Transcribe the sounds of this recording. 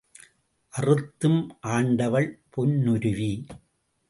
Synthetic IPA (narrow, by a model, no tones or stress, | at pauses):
ʔɐrɯt̪ːɯmʔaːɳɖɐʋɐɭpʰɔnːʊɾɯʋi